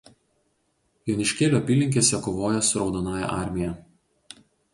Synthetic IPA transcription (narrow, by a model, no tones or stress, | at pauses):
joːnʲɪʃʲkʲeːlʲoːɐpʲiːlʲɪŋʲkʲeːsʲɛkoːʋoːjɛsʊɾɒʊd̪onɑːjɛ̰ʔɑˑɾʲmʲɪjɛ